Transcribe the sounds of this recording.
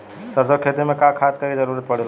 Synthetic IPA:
səɾsəkʰet̪imekakʰat̪kəɾid͡ʒəɾuɾət̪̚pəɽ̤el

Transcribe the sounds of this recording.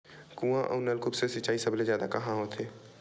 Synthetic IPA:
kũãʔɔ̰ːnəlkʊpsesɪt͡ʃaːisɐblezjaːd̪akɐɦãɦoːt̪ʰeː

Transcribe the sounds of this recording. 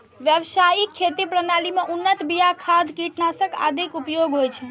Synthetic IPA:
ʋjəbsajikʰːet̪ipɾənalimeʔunːət̪bijakʰad̪ʱkiʈnasəka̰d̪ʱikupjoɡɦojt͡ʃʰɛ

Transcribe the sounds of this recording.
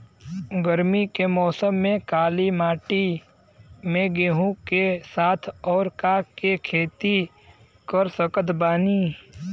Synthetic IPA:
ɡəɾmikemɔːsəmːẽkaːlimaːʈi | mẽɡeːɦũkesaːt̪ʰɔːɾkakekʰeːt̪i | kəɾsəkət̪baːni

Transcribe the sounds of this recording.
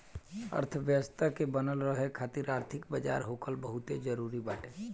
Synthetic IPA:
ə̰ɾt̪ʰʋjəʋəst̪ʰakebənəlɾəɦekʰaːt̪iɾaːɾt̪ʰɪkbəd͡ʒa̰ːɾɦoːkəlbəɦʊt̪ed͡ʒəɾuːɾibaːʈʰe

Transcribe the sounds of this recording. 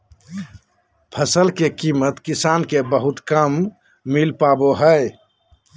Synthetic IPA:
pʰəsəlkekimət̪kisankebəɦut̪kəmː | ilpaboɦəj

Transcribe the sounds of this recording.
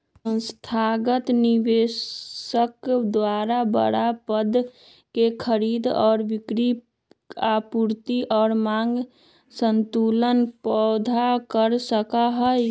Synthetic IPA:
sə̃nst̪ʰaɡət̪niʋe | əkd̪waɾabə̰ɽapəd̪ʱ | kekʰəɾiːd̪ɔ̰ːɾbikɾi | apuɾt̪iʔɔːɾmaŋɡ | sənt̪ulənpɔd̪ʱakəɾsəkaɦəj

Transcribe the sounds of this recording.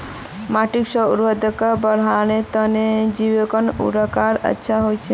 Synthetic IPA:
maʈikʃɔuɾʋəd̪əkabəɾ̤anet̪əned͡ʒiʋekɔnṵɾakaɾə̰tːʃʰaɦojt͡ʃʰe

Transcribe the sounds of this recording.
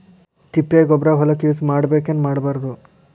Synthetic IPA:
t̪ipːeːɡɔbɾaːɦɔlɐkiusmaːɽbe̞ːkenːmaːɽbaːɾɐd̪u

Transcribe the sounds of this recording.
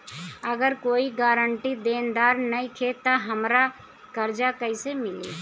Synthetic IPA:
əɡəɾkoːiɡaːɾəɳʈid̪eːnd̪aːɾnɐĩkʰet̪aɦɐmɾa | kəɾd͡ʒakəɪsemɪlḭː

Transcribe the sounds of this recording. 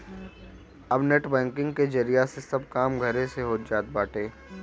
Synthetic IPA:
ɐbnɛʈbɛ̃ːŋkɪ̃ŋɡked͡ʒɐɾijasesɐb̚kaːmɡʱɐɾẽseɦoːt̪̚d͡ʒaːt̪̚baːʈẽː

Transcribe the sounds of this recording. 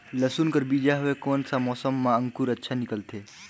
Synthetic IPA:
ləsuːnkəɾbiːd͡ʒaɦʊekoːnsamɔːsəmːãə̃ŋkuɾɐtːʃʰanɪkəlt̪ʰeː

